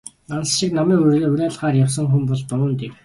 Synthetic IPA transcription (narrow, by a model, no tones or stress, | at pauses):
ansʃik̚namiːŋʊɵɾʲæːɮʁaːrjaws̬ə̆ŋxumpɔɮp̪ʊɾəːnt̪ew